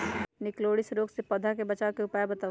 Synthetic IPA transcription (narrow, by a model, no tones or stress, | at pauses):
nɪkloːɽisɾoːɡsepəd̪ʱakebət͡ʃaːkeʊpaːebət̪aː